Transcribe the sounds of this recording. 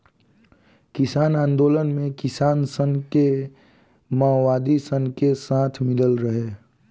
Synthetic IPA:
kɪsaːnaːnd̪oːlənmẽkɪsaːnsəŋke | maːwaːd̪isə̃ŋkesãːt̪ʰmɪləlɾəɦeː

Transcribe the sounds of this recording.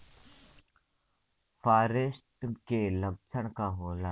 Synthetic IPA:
fʰaːɾɪsʈ̪kelɐk̚t͡ʃʰəɽ̃kaɦoːlaː

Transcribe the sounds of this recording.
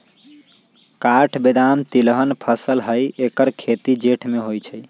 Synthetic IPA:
kaʈʰbed̪amt̪ilɦənpʰəsəlɦəjekəɾkʰet̪id͡ʒeʈʰmeɦojt͡ʃʰəj

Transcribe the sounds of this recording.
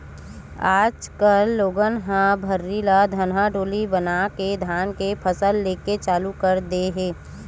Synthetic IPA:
aːd͡ʒkəlːoːɡənɦãbʱəɾːilad̪ʱənɦaɖoːlibənaked̪ʱaːnkepʰəsəlːeːket͡ʃaːlukəɾd̪eɦẽː

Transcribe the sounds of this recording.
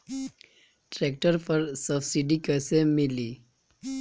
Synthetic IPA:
ʈɾek̚ʈəɾpəɾsəbsiɖikəsemɪli

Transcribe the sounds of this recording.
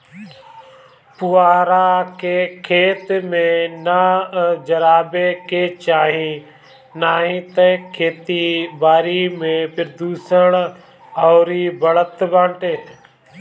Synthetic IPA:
pʊaːɾaːkeːkʰeːt̪mẽnad͡ʒəɾaːbekeːt͡ʃaːɦĩ | naːɦĩːt̪əkʰeːt̪ibaːɾiːmẽpɪɾd̪uːsəɳ̃ | ɔːɾiːbəɭət̪bãːɳʈeː

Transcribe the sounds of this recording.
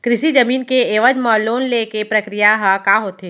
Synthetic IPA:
kɾɪʃid͡ʒɐmiːnkeeːʋəd͡ʒməːloːnlekepɾɐkɾijaɦakaːɦoːt̪eː

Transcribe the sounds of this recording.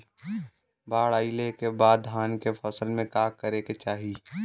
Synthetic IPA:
baːɽaːilekebaːd̪ɦaːnkepʰəsəlmẽkaːkːəɾeket͡ʃaːɦiː

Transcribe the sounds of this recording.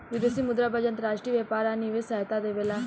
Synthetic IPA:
ʋɪd̪esimʊd̪ɾabəd͡ʒənt̪ɾaːʃʈɾiːʋepaːɾaːniʋesɛɦt̪ad̪eʋelaː

